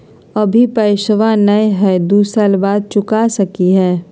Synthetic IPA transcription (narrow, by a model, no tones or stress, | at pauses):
ɐbʱipɐɪʃʋãnɐjɦɛːd̪uːsalbaːd̪̚t͡ʃʊkasɐkiɦɛː